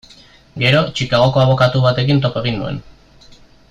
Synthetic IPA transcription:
ɡe̞ɾo̞t͡ʃikaɣ̞o̞ko̞aβ̞o̞kat̪uβ̞at̪e̞kint̪̬o̞koe̞ɣ̞inːue̞̰n

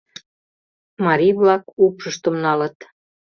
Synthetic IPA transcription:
mɑɾijβlɑkupʃəʃt̪ə̆mnɑlə̆t̪

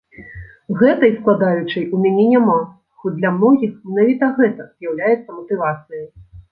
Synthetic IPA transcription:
ɣɛt̪ɐjsklˠad̪ajut͡ʂɐjʔumʲanʲɛnʲama | xɔd͡zʲd̪lʲɐmnɔɣʲixmʲɛnavʲit̪ɐɣɛt̪ɐz̥jawlʲajɛt̪sːɐmɐt̪ɨvat̪sɨjɐj

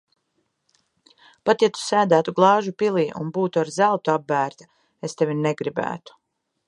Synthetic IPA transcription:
pat̪jat̪u̥sæːd̪æːt̪uɡlˠɑːʒupilˠiːʔṵnbuːt̪uaɾzælˠt̪uabːæːɾt̪ḁ | est̪evʲinɛɡɾibæ̰ːt̪u̥

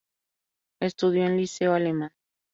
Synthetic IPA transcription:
est̪uðjoenliseoalemãn

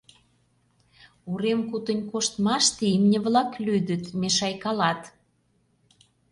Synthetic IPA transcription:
uɾemkut̪ə̆nʲkoʃt̪mɑʃt̪iimnʲə̆βlɑklyd̪ə̆t̪meʃɑjkɑlɑt̪

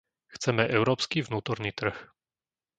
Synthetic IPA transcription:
xt͡sɛmɛʔɛʊɾɔːpskivnuːt̪ɔɾniːt̪r̩x

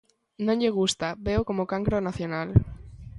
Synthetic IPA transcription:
nõɲʎeɣ̞ust̪abeokomokaŋkɾonaθjonal

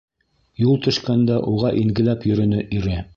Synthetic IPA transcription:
julˠt̪ɵ̆ʃkænd̪æʔuʁɑʔiŋɡɘ̆læpjɵ̆ɾɵ̆nɵʔiɾɘ

